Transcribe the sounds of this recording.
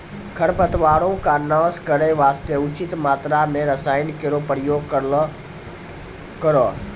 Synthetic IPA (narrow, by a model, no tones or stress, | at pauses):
kʰɐɽpət̪ʋaːɽõkaːnãːskəɾeʋaːst̪eʊt͡ɕɪt̪maːt̪ɾamẽɾɐsaːɪnkɪɾopəɾjoːɡ | kəɾo